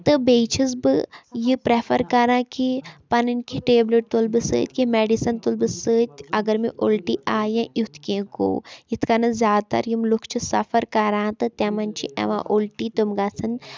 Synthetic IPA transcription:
t̪ɨbeːt͡ʃʰis̬bɨjipɾefʰɐɾkɐɾãːkipɐnɨnkiʈeːbleʈ̚t̪ulbɨsɨ̰ːt̪ʲkimeːɖisɐnt̪ulbɨsɨːt̪ʲɐɡɐɾmiʔoːlʈiːʔaːjɐ̃ːjut̪ʰkẽko̰ːjit̪ʰkanɐzʲjaːd̪t̪ɐ̰ɾjimlukʰt͡ʃʰisɐfʰɐɾkɐɾãːt̪ɨt̪ãmɐnt͡ʃʰḭʔɛ̰ʋã̰ːʔolʈiːt̪umɡat͡sʰɐn

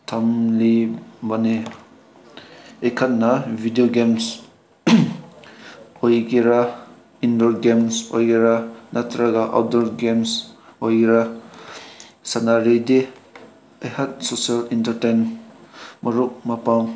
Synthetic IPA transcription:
tʰamlibane | ekʰat̚nabʱidioɡems | ojɡiɾa | indɔɾɡemso̰jɡeɾanatɾaɡaʔa̰wdɔɾɡemsojɡɾa | sanaɾide | ajhat̚sosialintəɾten | maɾuk̚mapaw

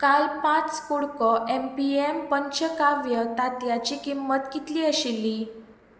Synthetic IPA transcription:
kalpãt͡skoɽkɔʔempiempəɲt͡ɕəkaʋjət̪at̪jat͡ɕikimːət̪kit̪liːəɕilːiː

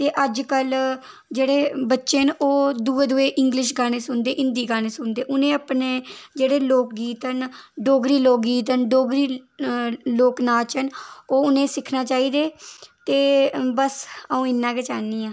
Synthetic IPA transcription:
t̪eːʔəd͡ʒkəl | d͡ʒeːɽeːbətːʃeːnoːd̪uːeːd̪uːeːʔɪŋɡlɪʃ̬ɡaːñeːsʊnd̪eːʔɪnd̪iːɡaːneːsʊnd̪eːʔʊnẽːəpneːd͡ʒeːɽeːloːk̚ɡiːt̪ənɖoːɡɾiːloːk̚ɡiːt̪̬ənɖoːɡɾiː | loːknaːt͡ʃənoːʊnẽːsɪkʰnaːt͡ʃaːiːd̪eːt̪eːbəsəũːɪnːãːket͡ʃaːnːiːãː

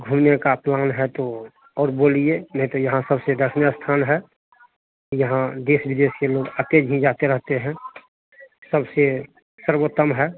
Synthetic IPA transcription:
ɡʱumnekaplaːnɦɛt̪o | ɔːɾboːlienəɦĩt̪ojɐɦãsəbsed̪əsʰnjast̪ʰaːnɦɛ | jəɦãd̪eːsbɪd̪eːskeloːɡət̪ed͡ʒɦĩd͡ʒaːt̪eɾəɦt̪eɦɛ̃ | səbse | səɾwot̪əmɦɛ

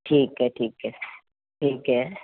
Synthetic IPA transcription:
ʈʰiːkɦɛʈʰiːkɦɛ | ʈʰiːkɦɛ

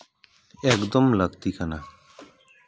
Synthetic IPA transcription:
ekd̪əmləɡt̪ikəna

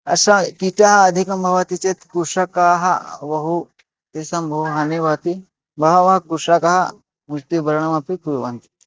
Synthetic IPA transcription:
ɐsakiʈaɦɐːd̪ʱikɐmbʱɐʋat̪it͡ʃet̪kuʂakaːɦɐʋɐɦu | t̪esɐmbʱɐuɦɐnebat̪i | bʱɐɦaʋɐɦɐkuʂakaɦɐ | must̪ibɐɾɳɐmapikuɾuʋant̪i̥

